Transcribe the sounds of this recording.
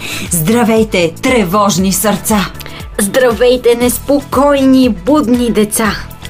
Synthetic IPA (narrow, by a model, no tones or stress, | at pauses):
zd̪ɾɐvɛjt̪ɛt̪ɾɛvɔʒnisəɾt̪sa | zd̪ɾɐvɛjt̪ɛnɛspokɔjnibud̪nid̪ɛt̪sa